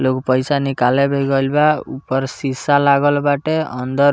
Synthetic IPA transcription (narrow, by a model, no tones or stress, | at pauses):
lokpʌjsanikalebʱejɡʌlbaupɔɾsisalaɡɔlbaʈeʌnd̪ɔɾ